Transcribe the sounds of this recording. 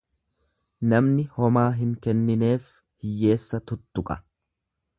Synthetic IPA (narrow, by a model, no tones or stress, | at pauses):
nɐmnɪhɔmaːɦɪŋkɛnːɪne̞ːf | hɪjːe̞ːsːɐt̪ʊt̪ːʊkʼɐ